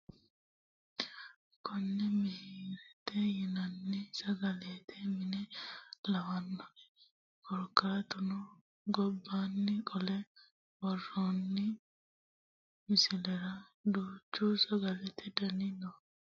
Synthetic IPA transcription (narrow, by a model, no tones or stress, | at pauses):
kʰɔnːɛmɪhiːɾɛt̪ɛjɪnɐnːɪsɐɡɐleːt̪ʰɛmɪnɛlɐwɐnːɔʔɛ | kɔɾkːɐɾɐt̪ʊnɔ | ɡɔbːaːnːɪkʼɔlɛ | wɔrːoːnːɪ | mɪsɪlɛɾɐ | d̪uːt͡ʃːuːsɐɡɐlɛt̪ɛd̪ɐnɪnɔ